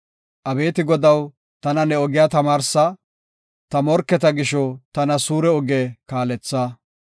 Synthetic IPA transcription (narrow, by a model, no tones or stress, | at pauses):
ʔɐbe̞ːt̪ɪɡɔd̪ɐw | t̪ɐnɐnɛɔɡɪjaːt̪ɐmaːɾsɐ | t̪ɐmɔɾkːɛt̪ɐɡɪʃɔt̪ɐnɐsuːɾɛɔɡeːkaːlɛt͡sːaː